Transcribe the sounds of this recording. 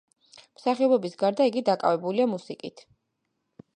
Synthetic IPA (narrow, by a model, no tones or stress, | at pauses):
m̥saχiɔbɛbisɡaɾd̪aiɡid̪akʼa̰vɛbuliamusikʼit̪ʰ